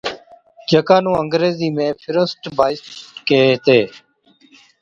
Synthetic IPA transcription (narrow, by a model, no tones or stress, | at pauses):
d͡ʒəkãːnũːəŋɡɾeːziːmẽːpʰɪɾəsʈbʱaːɪskeːt̪eː